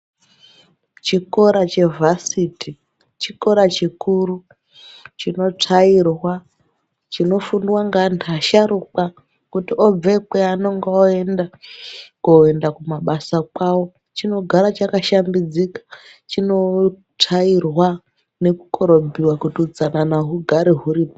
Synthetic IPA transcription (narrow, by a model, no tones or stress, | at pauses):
t͡ʃiko̞ɾat͡ʃe̞vʱasiti | t͡ʃiko̞ɾat͡ʃikuɾu | t͡ʃino̞t͡ʂʰairwa | t͡ʃino̞funiwaŋɡantʰaʃaɾuk͡pa | kutiob͡ve̞keano̞ŋɡeoendakoendakumaɓasakwawo̞ | t͡ʃino̞ɡʱaɾat͡ʃakaʃambid͡zikḁ | t͡ʃino̞ | t͡ʂʰairwa | ne̞ku̥ko̞ɾo̞bʱiwakutiud͡zananaɦuɡʱaɾiɦuɾip